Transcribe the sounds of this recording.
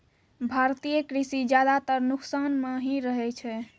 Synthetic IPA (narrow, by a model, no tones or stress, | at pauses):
bʱaɾt̪ijəkɾisid͡ʒjad̪at̪əɾnuksanmeɦĩɾəɦɛt͡ʃʰɛ